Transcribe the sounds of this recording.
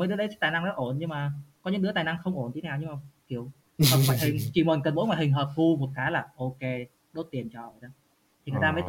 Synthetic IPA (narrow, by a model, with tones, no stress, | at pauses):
mə˨˦jɗɨ˨˦əɗə˨˦˥t̪aː˨˩jna˧ŋnɔ̰˨˧˦ʔo˧˩nɲɨ˧ŋmaː˨˩kɔ˨˦ɲɨ̰˧˥ŋɗɨ˨˥əaː˨˩na˧ŋxə˧wŋ͡mʔo˧˩nt̪i˨˦naː˨˩wɲɨ˧ŋmaː˨˩ki˨˧˩əw | ɔ˨˩ɔ˨˩hï˨˩ŋ̟t͡ɕi˨˩mə˨˩nkə˨˩nmo̰˧˥jŋaː˨˩jhï˨˩ŋ̟ɦəː˨˩p̚t̪ʰu˧vo˨˩t̚kaː˨˦laː˨˩ʔo˧ke˧ | ɗo˦˥t̚t̪i˨˩ənt͡ɕɔ˨˩ə˨˩ɗə˨˦ | t̪ʰi˨˩ŋɨ˨˩t̪aː˧mə˨˦t̪